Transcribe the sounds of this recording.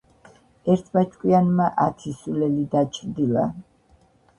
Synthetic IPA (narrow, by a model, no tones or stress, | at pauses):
ɛɾt̪ʰbat͡ʃʰʼkʼwianmaʔat̪ʰisulɛlid̪at͡ʃʰɾd̪ila̰